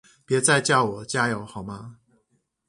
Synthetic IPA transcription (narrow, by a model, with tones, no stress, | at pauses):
pjɛ˨˥t͡sa˥˧ɪt͡ɕjɑ˥˩ʊwɔ˨˩˦t͡ɕja˥jo˨˦ʊxɑ˨˩˦ʊma˧˦